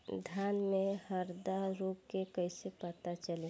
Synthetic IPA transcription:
d̪ʱjanmehəɾd̪aɾup̚kekəɪsepət̪at͡ʃəle

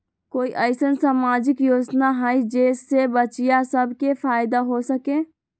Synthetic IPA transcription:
koːiʔəɪsənsaːmaːd͡ʒɪkjoːd͡ʒnaɦɛid͡ʒeːsːebət͡ʃijasəbʱkefʰaːɪd̪aɦosəkẽː

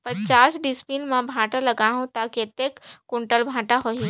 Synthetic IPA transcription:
pɐt͡ʃaːsɖispilmãbʱãːʈalɐɡaːɦũt̪aːkiɐt̪ːekkːʊɳʈəlbʱãːʈaɦoi

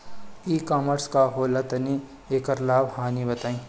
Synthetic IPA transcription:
iːkaːməɾskaɦoːlat̪ɐni | eːkəɾlaːbhaːnibɐt̪aːĩː

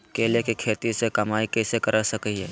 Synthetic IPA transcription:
keːlekikʰeːt̪isekɐmaːikeːsekɐɾasɐkiɛː

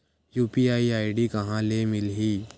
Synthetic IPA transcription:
juːpiaiajɖiːkɐɦãlemilɦiː

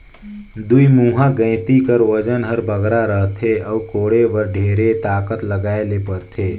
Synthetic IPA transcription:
d̪uimuːɦãɡə̃ɪ̃t̪ikəɾʋəd͡ʒənɦəɾbʱəɡɾaɾəɦt̪ʰeɔːkoːɽeʋəɾɖʱeːɾet̪aːkət̪ləɡaːelepəɾt̪ʰeː

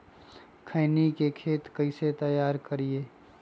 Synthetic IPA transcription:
kʰəɪnikekʰeːt̪kəɪset̪əjaːɾkəɾieː

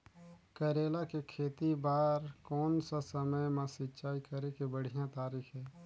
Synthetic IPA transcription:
kəɾeːlakekʰeːt̪ibaːɾkɔːnsasəməjmãsɪtːt͡ʃaːikəɾekebəɽ̤ijãt̪aːɾiːxɦɛː

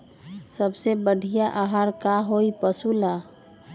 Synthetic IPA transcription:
səbsebəɽ̤ʱijaʔaɦaɾkaɦoipəsula

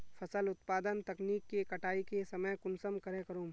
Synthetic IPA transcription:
fʰɐsəlʊt̪paːd̪ənt̪ɐkniːkːekɐʈaːikesɐməjkʊnsəmkɐɾẽkɐɾũː

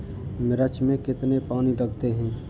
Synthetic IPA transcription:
mɪɾət͡ʃmẽkɪt̪nepaːniləɡt̪eɦɛ̃ː

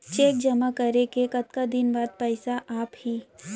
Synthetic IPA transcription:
t͡ʃeːk̚d͡ʒɐmakɐɾekekɐt̪kad̪ɪnbaːd̪̚pɛːɪsaʔaːphiː

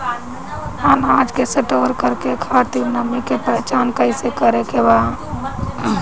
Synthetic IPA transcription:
anad͡ʒkesəʈoɾkəɾkekʰat̪iɾnəmikepət͡ʃankəɪsekəɾekeba

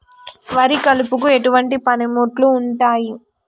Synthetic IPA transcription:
ʋɐɾikɐlupukue̞ʈuʋɐɳʈipɐnemuːʈluːɳʈaːji

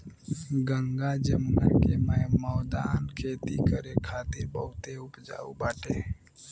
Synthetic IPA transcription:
ɡəŋɡad͡ʒəmnakeməmɔːd̪aːnkʰeːt̪ikəɾekʰaːt̪ɪɾbəɦʊt̪eʊpd͡ʒa̰ːubaːʈeː

